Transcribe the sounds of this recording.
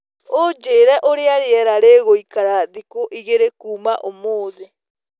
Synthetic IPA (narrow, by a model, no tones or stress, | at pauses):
od͡ʒeːɾɛʔoɾeaɾeɛɾaɾeːɣoikaɾaðikoʔiɣeɾekuːmaʔomoːðe